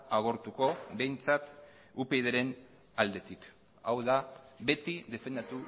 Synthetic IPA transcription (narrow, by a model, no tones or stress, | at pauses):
aɣo̞ɾt̪uko̞be̞jnt͡sat̪ | upe̞jðeɾe̞n | ald̪e̞t̪ik | awðaβe̞t̪iðe̞fe̞nd̪at̪u